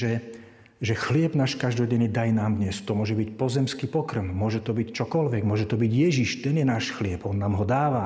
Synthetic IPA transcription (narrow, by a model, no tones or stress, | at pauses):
ʒɛ | ʒɛxlɪɛbnaːʃkaʒd̪ɔɟɛɲid̪ajnaːmd̪ɲɛst̪ɔmʊɔʒɛbicpɔzɛmskipɔkr̩mmʊɔʒɛt̪ɔbict͡ʃɔkɔlʋɛɡmʊɔʒɛt̪ɔbiɟjɛʒiʃt̪ɛnjɛnaːʃxlɪɛbɔnːaːmɦɔd̪aːʋa